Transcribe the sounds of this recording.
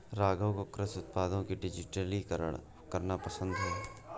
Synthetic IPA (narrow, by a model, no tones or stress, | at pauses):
ɾaːɡə̃wkokɾəsʊt̪̚paːd̪õkiɖɪd͡ʒɪʈəli | kɐɾnapɐsə̃nd̪ɦɛː